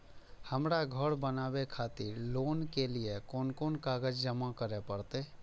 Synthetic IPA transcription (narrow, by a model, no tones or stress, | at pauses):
həmɾaɡʱəɽbənaːwekʰaːt̪ɪɾloːnkeliekoːnkoːnkaːɡəd͡ʒd͡ʒəmakəɾepəɽt̪e